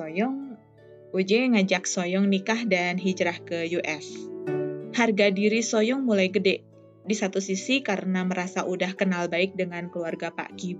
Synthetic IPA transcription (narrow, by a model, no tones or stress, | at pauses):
sojɔŋ | ud͡ʒɛŋad͡ʒak̚sojɔŋnikahdanɦid͡ʒɾahkəjuʔɛs | harɡadiɾisojɔŋmulajɡədɛʔ | disat̪usisikaɾənaməɾasaʔudahkənalbaɪk̚dəŋankluarɡapa̰ʔki